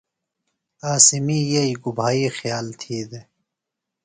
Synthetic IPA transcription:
aːsimiːjeiɡubʱaːiːxjaːlt̪ʰiːd̪e

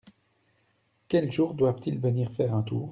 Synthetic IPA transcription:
kʲɛlʒuːʁd̪wavt̪ilvəniːʁfɛːʁɛ̃t̪uːʁ

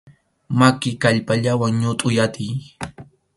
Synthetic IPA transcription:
makɪkaʎpaʎawaŋɲʊt̪ʼʊjat̪ɪj

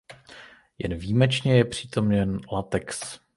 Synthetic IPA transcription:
jɛ̰nviːmɛt͡ʃɲɛjɛpr̝̥iːt̪o̞mɲɛnlat̪ɛks

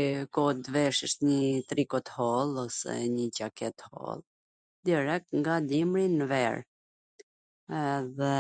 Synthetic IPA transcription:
kɔd̪vɛʃəʃt̪ɲət̪ɾikɔt̪hɔlˠɔsɛ̰ɲəcakɛt̪hɔ̰lˠ | d̪ɛɾɛk̚ŋɡad̪imɾinəvɛ̰ɾ | ðɛ

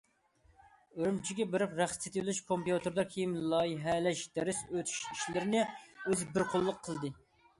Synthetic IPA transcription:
øɾymt͡ʃʰiɡʲɛbeɾɪpɾæχt̪et̪ʰɪlyʃkʰompjut̪ɨɾd̪ɑkʲʰejimlˠɑjiɦɛlɛʃd̪̥ɛɾɪsøt̪ʰy̥ʃiʃlɪɾɪnɪøzbɪɾqʰolˠːəqʰːəlˠd̪ɨ

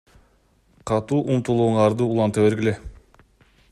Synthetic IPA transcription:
qʰɑt̪uːʔumt̪ulˠuɴɑɾd̪ɯulˠɑnt̪ɑβe̞ɾɡʲilʲe

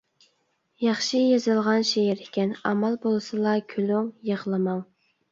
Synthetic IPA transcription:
jɑχʃijɑzɨlˠʁɑnʃeɦɛɾɪkʲɛnɑmɑlˠbolˠɨsɨlˠɑkʲʰyluŋjəʁlˠɨmɑŋ

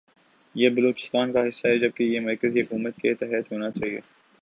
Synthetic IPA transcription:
jebɐloːt͡ʃɪ̥st̪aːnkaɦɪsːaɦɛd͡ʒɐb̚kejemɐɾkəziɦʊkuːmət̪̚keɪt̪ɛɦjət̪ɦoːnat͡ʃaːɦiḛː

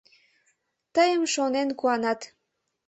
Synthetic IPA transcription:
t̪əjəmʃonenkuɑnɑt̪

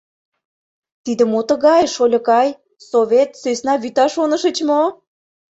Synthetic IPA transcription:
t̪id̪ə̆mot̪ə̆ɣɑjʃolʲɤ̆kɑj | soβʲet̪søsnɑβyt̪ɑʃonə̆ʃə̆t͡ɕmo

